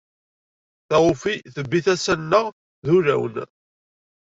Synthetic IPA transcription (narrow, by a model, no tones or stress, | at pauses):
θæʁʊfiθəbːiθæsænːəʁ | ðuɾæ̰wn